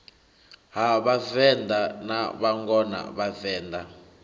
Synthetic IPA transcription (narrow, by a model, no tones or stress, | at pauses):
ɦaβavɛnd̪anaβaŋɡɔna̰βavɛːnd̪a